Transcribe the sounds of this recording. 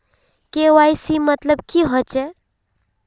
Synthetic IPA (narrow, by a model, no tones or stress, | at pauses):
keʋajsimət̪ləb̚kiɦɔt͡ʃe